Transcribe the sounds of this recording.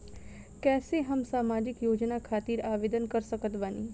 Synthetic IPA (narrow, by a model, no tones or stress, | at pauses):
kɛːseɦəmsaːmaːd͡ʒɪkjoːd͡ʒnakʰaːt̪iːɾaːʋeːd̪ənkəɾsəkət̪ʋaːniː